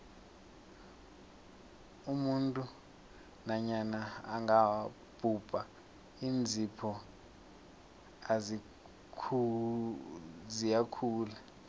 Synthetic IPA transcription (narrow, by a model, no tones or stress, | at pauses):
umuntʼu | naɲanaːŋa | b̥ʱub̥ʼʱa | iːnd͡zʱipʰɔ | azi | kʰu | zijakʰuːla